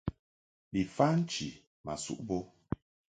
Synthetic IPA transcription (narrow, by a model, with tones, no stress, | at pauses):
bi˨fa˦n̩˦t͡ʃḭ˨ | ma̰˨sṵ˦˨ʔbo˦